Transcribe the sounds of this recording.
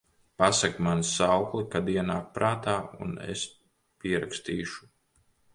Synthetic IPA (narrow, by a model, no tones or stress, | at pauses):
pasakmansawklˠikad̪iɛnaːk̚pɾaːt̪aːṵnḛs | piɛɾa̰kst̪iːʃu̥